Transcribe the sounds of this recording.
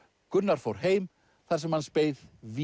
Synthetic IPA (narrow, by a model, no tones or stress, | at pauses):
kʏnːaɾ̥fowɾ̥heːjm | θaɾ̥sɛmhanspeːjðvi